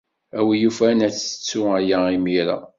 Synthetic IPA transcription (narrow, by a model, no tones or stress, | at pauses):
æwijufænæt͡sːə̥t͡sːʊæjæimiɾa̰